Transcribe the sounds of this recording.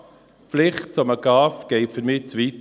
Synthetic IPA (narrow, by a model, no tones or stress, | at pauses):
flɪχt̚t͡soməɡ̥ɑːfɡ̥ɛɪtfəɾmɪːt͡sʋiːt